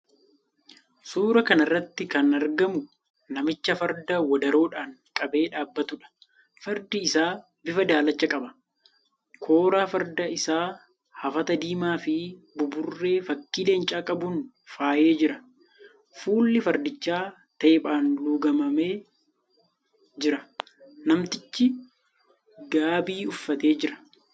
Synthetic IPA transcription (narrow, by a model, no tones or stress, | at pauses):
suːɾɐkɐnɐrːɐt̪ːɪkɐnɐɾɡɐmʊ | nɐmɪt͡ʃːɐfɐɾd̪ɐwɐd̪ɐɾoːᶑaːŋkʼɐbe̞ːᶑaːbːɐt̪ʊᶑɐ̥ | fɐɾd̪ɪːsaː | bɪfɐd̪aːlɐt͡ʃːɐkʼɐbɐ | kʰo̞ːɾaːfɐɾd̪ɐɪsaː | hɐfɐt̪ɐd̪iːmaːfɪ | bʊbʊrːe̞ːfɐkːiːle̞ːnt͡ʃʼaːkʼɐbuːn | faːʔe̞ːd͡ʒɪɾɐ | fuːlːɪfɐɾd̪ɪt͡ʃːaː | t̪eːpʼaːnluːɡɐmɐme̞ː | d͡ʒɪɾɐ | nɐmt̪ɪt͡ʃːɪ | ɡaːbiːʊfːɐt̪e̞ːd͡ʒɪɾɐ̥